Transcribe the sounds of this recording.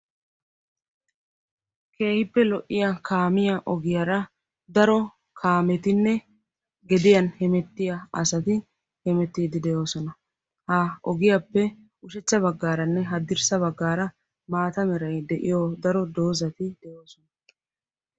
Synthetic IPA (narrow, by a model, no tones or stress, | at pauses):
kʰe̞ːhɪpːɛlɔʔːɪjakʰaːmɪjɐʔɔɡɪjɐɾɐ | d̪ɐɾɔ | kʰaːmɛt̪ɪnːɛ | ɡɛd̪ɪjɐnhɛmɛt̪ːɪjɐɐ̰sɐt̪ɪ | hɛmɛt̪ːiːd̪ɪd̪ɛjo̞ːsɔnɐ | haɔɡɪjapːɛ | ʊʃɛt͡ʃːɐβɐɡːaːɾɐnːɛɦɐd̪ɪɾsɐβɐɡːaːɾɐ | maːt̪ɐmɛɾɐjd̪ɛʔɪjod̪ɐɾɔd̪o̞ːzɐt̪ɪd̪̥ɛjoːsɔnɐ